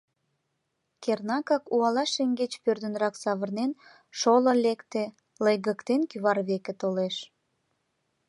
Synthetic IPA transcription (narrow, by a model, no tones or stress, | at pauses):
kernɑkɑkuɑlɑʃeŋɡet͡ɕpørd̪ə̆nɾɑksɑβərnen | ʃolə̆lekt̪e | lejɣəkt̪enkyβɑrβekĕt̪oleʃ